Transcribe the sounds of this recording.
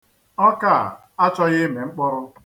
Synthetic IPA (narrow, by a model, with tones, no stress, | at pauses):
ɔ˦ka˦˨ | a˦t͡ʃɔ˦ɣɪ˦me˨ŋ͡m̩˦k͡pʊ˦ɾʊ˦